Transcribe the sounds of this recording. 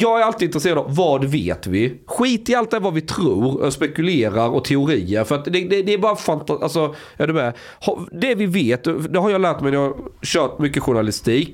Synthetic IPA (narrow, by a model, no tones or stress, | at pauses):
jɑːɡæɾalt̪ɪɪnt̪ɾɛseːɾad̪ɑvːɑːd̪vḛːt̪vɪɧiːt̪ɪalt̪̚d̪ɛvavɪt̪ʰɾuːɾɔ̰spɛkɵleːɾaɾɔt̪ʰɛʊɾiːəɾfœɾat̪d̪ɛd̪ɛd̪ɛːbɑːɾafant̪aʔa̰lsɔ | jɑd̪ɵmɛ | hɑ̰d̪ɛvɪveːt̪d̪ɛɦaɾjɑlæːʈmɛɪnəhɑɕœːʈ̚mʏkːəɧʊɳalɪst̪iːk